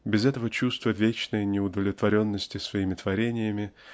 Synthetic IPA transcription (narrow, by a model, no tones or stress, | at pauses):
bʲɪzɛt̪əvət͡ɕust̪vəvʲet͡ɕnəjnʲɪʊd̪əvlʲɪt̪vɐɾʲo̞nːəsʲtʲɪsvɐimʲɪt̪vɐɾʲenʲɪjəmʲɪ